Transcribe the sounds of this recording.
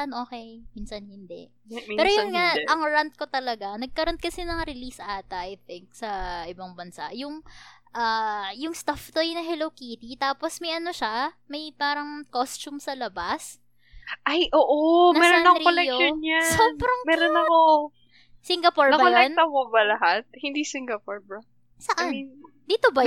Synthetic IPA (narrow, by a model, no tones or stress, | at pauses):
ɐnʔoːkɛjmiːnsɐnhɪnd̪ɛ̰ʔ | ɛːɾojʊŋŋaʔɐŋɹant̪̚ko̞t̪ɐlɐɡanɐɡ̚kɐɾonkɐsɛnɐŋɾɪlisʔaːt̪ɐʔɐjθɪŋk̚sɐʔɪbɐŋbɐnsa̰ʔjʊŋʔaːjʊŋst̪aft̪ojnɐɦɛlowkiːt̪it̪aːposmɐjʔɐno̞ʃamɐjpaːɾɐŋkost͡ʃumsɐlɐbas | ʔajʔoːʔonɐɛːɾonɐkɾolɛkoonɲasoːbɾɐŋmɛːɾonːɐko | siŋɡɐpoɹnɐbɐkolɛn̚t̪ɐmobɐlɐɦat̪̚hɪnd̪isɪŋɡɐpoɹbɐ | sɐʔan | d̪iːt̪obɐ